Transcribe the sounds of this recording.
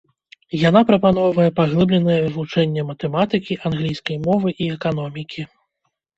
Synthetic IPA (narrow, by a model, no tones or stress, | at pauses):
jan̪apɾɐpan̪ɔwvɐjɛpaɣlˠɨblʲɛnɨjɛvut͡ʂɛnʲːɛmɐt̪ɛmat̪ɨkʲiʔanɣlʲijskɐjmɔvɨʔiɛkanɔmʲikʲʰi